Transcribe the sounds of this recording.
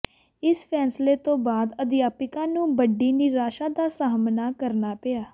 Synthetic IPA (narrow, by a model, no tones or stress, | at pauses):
ɪspʰɛːnsleːt̪õːbaːd̪əd̪ɪjaːpɪkãːnũːbəɖːiːnɪɾaːʃãːd̪aːsaːmnaːkəɾnaːpɪjaː